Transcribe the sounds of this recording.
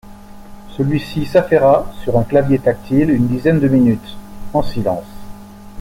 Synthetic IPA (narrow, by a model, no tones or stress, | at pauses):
səlɥisisafɛʁasyʁɛ̃klavjet̪ak̚t̪ʰilynd̪izɛnd̪əminyt̪ɑ̃silɑ̰̃s